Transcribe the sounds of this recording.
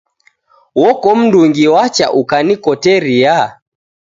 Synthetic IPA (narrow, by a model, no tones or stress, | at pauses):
wɔkɔm̩nduŋɡiwat͡ʃa̰ʔukanikɔtɛɾia